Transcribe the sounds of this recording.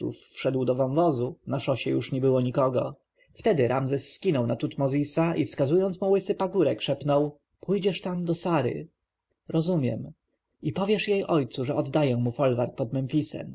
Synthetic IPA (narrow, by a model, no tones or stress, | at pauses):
ṵfːʂɛd̪wd̪ɔvɔnvɔzunaʂɔɕɛjuʂɲɛbɘwɔɲikɔɡɔ | ft̪ɛd̪ɘɾʔamzɛsːkʲinɔwnat̪ut̪mɔzʲisaʔifskazujɔnt̪smuwɘsɘpaɡuɾɛkʂɛpnɔw | pʰujd͡ʑɛʂt̪amd̪ɔsaɾɘ̰ | ɾɔzumʲjɛ̰m | ipɔvʲjɛʂjejʔɔjt̪suʐɛɔd̪ːajɛ̃mufɔlvaɾk̚pɔd̪mɛnfʲisɛ̰m